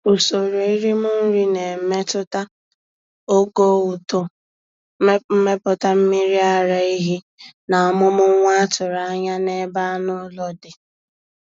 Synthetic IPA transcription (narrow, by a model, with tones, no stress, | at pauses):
o˨so˨ɾo˨i˦ɾi˦mʊ˦n̩˦ɾi˦ne˨me˦tʊ˦ta˦ | o˦ɡo˦u˨tʊ˨˦ | m̩˦me˦pʊ˦ta˦m̩˦mi˦ɾi˦a˨ɾa˨i˦ɦi˦ | na˨a˨mʊ˦mʊ˦ŋʷa˦tʊ˨ɾa˨a˦ɲa˦ne˦ba˦nʊ˦lɔ˦dɪ˨